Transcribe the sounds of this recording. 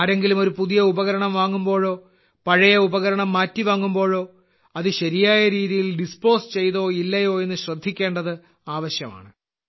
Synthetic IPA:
aːɾe̞ŋɡilumo̞ɾupuðijɐubɐɣɐɾɐɳɐmʋaːŋːumbo̞ːɻo̞ː | pɐɻɐjɐubɐɣɐɾɐɳɐmːaːtːiʋaːŋːumbo̞ːɻo̞ː | ɐðɨɕɐɾijaːjɐɾiːðijilɖispo̞ːst͡ɕe̞jt̪o̞ːilːɐjo̞ːe̞nːɨɕrɐd̪ʱːikʲːe̞ːɳɖɐðɨ | aːʋɐɕjɐma̰ːɳɨ

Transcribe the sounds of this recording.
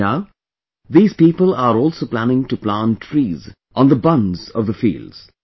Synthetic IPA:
aʊ | ðiːz̥piːpəlaɾɔːlˠsoːplænɪ̃ŋʈuplãnʈʰɾiːz | ʔɔ̃nd̪əbʌ̃nzɔvðəfḭːldz̥

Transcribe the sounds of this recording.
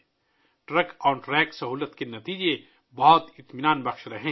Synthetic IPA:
ʈɾɐkɔːɾʈɾɛːksɐɦuːlət̪kenɐt̪iːd͡ʒe | bɔɦʊt̪ɪt̪mɪnaːnbɐxʃɾɐɦẽː

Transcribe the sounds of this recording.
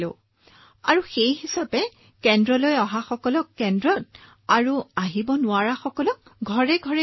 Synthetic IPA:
lʊ | aɹuxejɦisapɛ | kɛndɹɔlojɔɦaxɔkɔlɔkːɛndɹɔt̚ | aɹuaɦibɔnʊaɹaxɔkɔlɔk̚ɡʱɔɹɛɡʱɔɹɛ

